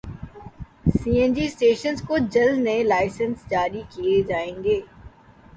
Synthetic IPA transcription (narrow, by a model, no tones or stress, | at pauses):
siːend͡ʑiːsʈeːʃənzkʊd͡ʑəlnẽlaːɪsənsd͡ʑaːɾikied͡ʑaːẽːŋ̆ɡeː